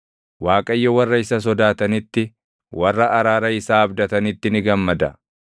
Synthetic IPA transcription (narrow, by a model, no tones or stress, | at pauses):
waːkʼɐjːɔwɐrːɐɪsɐs̬ɔd̪aːt̪ɐnɪt̪ːɪ | wɐrːɐʔːɾaːɾɐɪsaːbd̪ɐt̪ɐnɪt̪ːɪnɪɡɐmːɐd̪ɐ̰